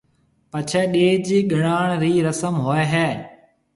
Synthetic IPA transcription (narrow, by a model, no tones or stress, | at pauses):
pət͡ʃʰɛːɗeːd͡ʒɠɪɽaːɳ̃ɾiːɾəsəmɦoːeːɦɛː